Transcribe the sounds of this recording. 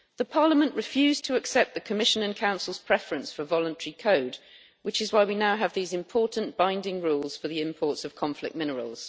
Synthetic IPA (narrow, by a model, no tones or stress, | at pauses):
ðəpʰɑːləmə̃nʔɹɪfjʉːz̥tʰəːksɛp̚ðəkʰəmɪʃə̃nə̃nkʰãʊ̃nsəlˠz̥pʰɹ̥ɛfəɹə̃nsfəvɒlə̃ntʰəɹikʰəʊd | wɪt͡ʃɪzwaɪwinaʊəvðiːzɪ̃mpʰɔˑʔn̩b̥ãɪ̃ndɪ̃ŋɹuːlˠz̥fəðiɪ̃mpʰɔˑtsəv̥kʰɒ̃ɱflɪ̰k̚mɪnəɹə̰lˠz̥